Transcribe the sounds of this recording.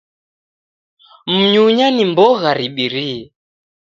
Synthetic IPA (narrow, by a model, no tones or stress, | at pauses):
m̩ɲuɲanimbɔɣaɾiɓiɾiɛ